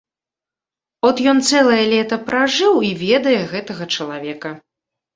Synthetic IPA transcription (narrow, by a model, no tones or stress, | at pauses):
ɔt̪jɔnt̪sɛlˠɐjɛlʲɛt̪ɐpɾaʐɨwivʲɛd̪ɐjɛɣɛt̪ɐɣɐt͡ʂɐlˠavʲɛkɐ